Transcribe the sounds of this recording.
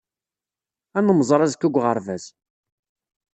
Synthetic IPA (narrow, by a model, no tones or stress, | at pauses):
ænəməzˤɾˤɑzkːʊɡʷʁəɾˤvæz